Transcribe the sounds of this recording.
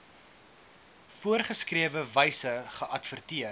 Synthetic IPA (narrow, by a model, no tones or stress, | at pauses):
fuərχəskriəvəvɛjsəχəʔɐtfərtiə